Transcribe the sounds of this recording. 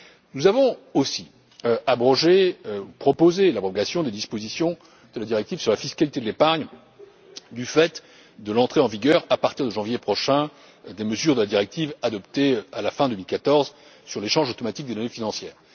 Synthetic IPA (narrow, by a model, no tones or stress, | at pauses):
nuzavɔ̃osi | øabʁɔʒeøupχɔpozelapɔɔɡasjɔ̃d̪ed̪ispozisjɔ̃ | d̪̥əlad̪iʁɛk̚t̪ivsyʁlafiskalit̪ed̪əlepaʁɲ | d̪yfɛt̪ | d̪əlɑ̃t̪χeɑ̃viɡʲœʁapaʁt̪iʁd̪əʒɑ̃vjepχɔʃɛ̃ | d̪eməzyʁd̪əlad̪iʁɛk̚t̪ivad̪ɔpt̪ealafɛ̃d̪əmilkat̪ɔʁz | syʁleʃɑ̃ʒot̪ɔmat̪ik̚d̪ed̪ɔnefinɑ̃sjɛːʁ